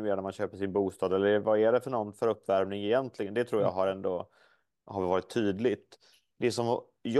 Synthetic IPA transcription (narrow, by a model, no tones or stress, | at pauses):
meːɾanæɾmanɕøːpəʂɪnbuːst̪ɑːd̪ɛlːəvaæɖɛfœɳɔnːfœɾɵpːvæɾmnɪŋɪjɛnt̪lɪɡənd̪ɛt̪ʰɾuːɾjɑ̰ɦaɾɛnd̪o | haɾvɑːɾɪt̪ʰːyːd̪lɪt̪ | d̪ɛsɔm | j